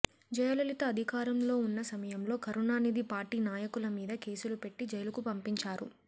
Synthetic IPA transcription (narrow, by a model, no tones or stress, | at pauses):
d͡ʒɐjɐlɐlit̪ɐɐd̪ʱikaːɾɐmlo̞ːunːɐsɐmɐjɐmlo̞ːkɐɾunaːnid̪ipaːɾʈiːnaːjɐkulɐmiːd̪ɐke̞ːsulupe̞ʈːid͡ʒɐjɐlɐkupɐmpiɲt͡ʃaːɾṵ